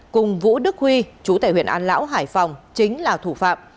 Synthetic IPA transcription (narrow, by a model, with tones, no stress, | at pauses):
kʊ˨˩ŋ͡mvṵ˧˥ɗɨ˦˥k̚hwi˧t͡ɕu˨˧˦t̪a̰ː˧˩hwḭ˧˨əʔaː˧nla̰ː˧˥wɦaː˧˩jfa˨˩wŋ͡mt͡ɕï˨˦ŋ̟laː˨˩t̪ʰu˧˩fa̰ː˧˨p̚